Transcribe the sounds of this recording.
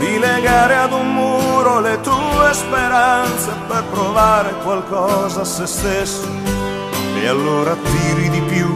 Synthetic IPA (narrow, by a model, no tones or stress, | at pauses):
d̪ileɡaːɾead̪ummuːɾolet̪uespeɾant̪seperp̪ɾovaːɾekwalkɔːzaːsest̪esːo | ḛalːoːɾaːt̪ːiːɾid̪ipju